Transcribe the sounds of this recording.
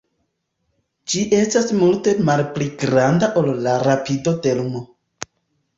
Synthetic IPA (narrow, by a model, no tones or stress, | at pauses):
d͡ʒiʔe̞stasmulte̞malpliɡɾandaʔolːaɾapido̞de̞lumo